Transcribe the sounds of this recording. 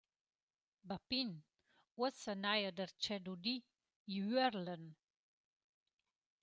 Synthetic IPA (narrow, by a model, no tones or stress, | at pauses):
bapin | wəsənajəd̪əɾt͡ʃɛd̪ud̪i | iɛɾlən